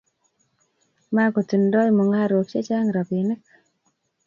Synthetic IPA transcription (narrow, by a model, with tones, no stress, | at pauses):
ma˦ko˨ti˨ndɔ˦jmɔ˨ŋa˦ɾo˨kt͡ʃe˦t͡ʃa˦ŋɾa˨pi˨nɪ˦k̚